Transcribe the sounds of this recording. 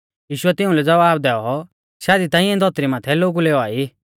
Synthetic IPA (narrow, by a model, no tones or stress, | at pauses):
jiːʃʊɛt̪ɪ̃ũlɛd͡zɐʋaːb̚d̪ɛːɔ | ʃaːd̪it̪ãːĩɛ̃d̪ʱɔt̪ɾimaːt̪ʰɛloːɡuleːɔaːi